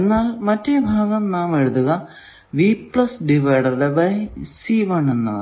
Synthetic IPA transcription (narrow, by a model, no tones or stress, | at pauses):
enːaːlmɐtːebʱaːɡɐmnaːmeɻud̪uɣɐ | ʋipɭɐsɖiʋɐjɖɐðebɐjsiʋɐɳːenːɐðɨ